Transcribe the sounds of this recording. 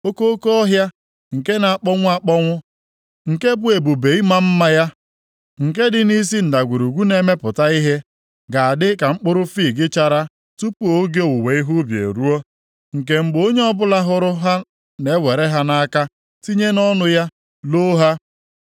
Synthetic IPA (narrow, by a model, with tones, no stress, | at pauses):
o˦ko˦ko˦ɔ˦ɦja˦ | ŋ̩˨ke˦na˨a˨k͡pɔ˦ŋʷʊ˦a˦k͡pɔ˦ŋʷʊ˦ | ŋ̩˨ke˦bʊ˦e˨bu˨be˨i˦ma˦m̩˦ma˦ja˦ | ŋ̩˨k̬e˦dɪ˦ni˦s̬i˦n̩˨da˨ɡʷu˨ɾu˨ɡʷu˦ne˨me˦pʊ˨ta˦i˦ɦe˦ | ɡa˨a˨dɪ˦ka˨ŋ͡m̩˦k͡pʊ˦ɾʊ˦fi˦˨ɡɪ˦t͡ʃa˨ɾa˦ | tu˦pu˦o˦ɡe˦o˨wu˨we˨˦i˦ɦu˦bjḛ˨ɾu˦o˦ | ŋ̩˨ke˦˨m̩˦ɡ͡bo˦ɲe˦ɔ˦bʊ˦la˦ɦʊ˦ɾʊ˦ɦa˦ | ne˨˦we˨ɾe˦ɦa˦na˦ka˦ | ti˦ɲe˦nɔ˦nʊ˨ja˦ | lo˦ɦa˦